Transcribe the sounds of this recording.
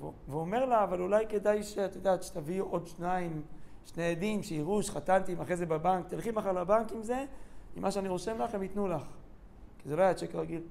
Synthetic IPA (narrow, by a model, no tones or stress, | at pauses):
vveome̞ʁlaːvalulajke̞d̪ajʃeat̪jod̪aːt̪ʃe̥t̪aviʔo̞d̪ʃnaimʃneed̪imʃeiʁuʃχat̪ant̪imaχʁezebabaŋkt̪ilχimaχaʁlabaŋkimze̞ḭmaʃeaniʁo̞ʃemlaχemit̪nulaχ | kizeloajat͡ʃekʁaɡil